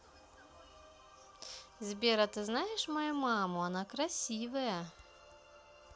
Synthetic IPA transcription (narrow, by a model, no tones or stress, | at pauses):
zʲbʲɛɾɐt̪ɨznajɛʂmɐjumɑmʊɐnakɾasʲiʋɐjɐ